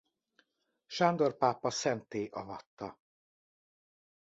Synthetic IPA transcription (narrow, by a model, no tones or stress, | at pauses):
ʃaːnd̪o̞rpaːpːɒsɛnt̪eːʔɒvɒt̪ːɒ